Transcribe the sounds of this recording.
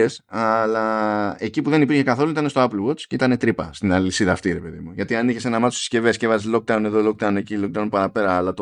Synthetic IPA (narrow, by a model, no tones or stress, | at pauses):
esɐlɐe̞cipuðe̞nipiɾçe̞kɐθo̞loit̪ɐne̞st̪oɐplwo̞t͡sceit̪ɐne̞t̪ɾipɐst̪inɐlisiðɐːft̪iɾe̞pe̞ðimuʝɐt̪iɐniçe̞se̞nɐmɐt̪o̥si̥sce̞vescevɐzizlo̞k̚d̪ɐwne̞ðolo̞k̚d̪ɐune̞cilok̚d̪ɐunpɐɾɐpe̞ɾɐːlɐt̪o